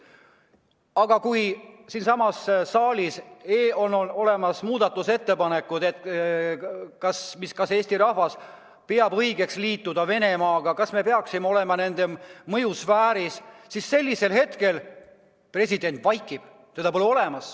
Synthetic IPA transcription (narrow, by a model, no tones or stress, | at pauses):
ɑɡ̥ɑkujsiːnsɑmɑssɑːlʲiseonono̞le̞mɑsmuːd̪̥ɑt̪ːˑuse̞t̪ːe̞pɑne̞kːˑud̪̥e̞t̪ːˑ | kɑsmiskɑse̞ːsʲt̪iɾɑhvɑs | peɑbɤjɡ̥e̞ksliːt̪ːˑud̪ɑve̞ne̞mɑːɡ̥ɑkɑsme̞pe̞ɑksimeo̞le̞mɑne̞nd̪̥e̞mɤjusvæːɾisːisːe̞lʲːise̞lhe̞t̪ke̞l | pre̞sʲid̪e̞nt̪ˑvɑjkːˑib̥ | sed̪̥ɑpoluo̞lemɑs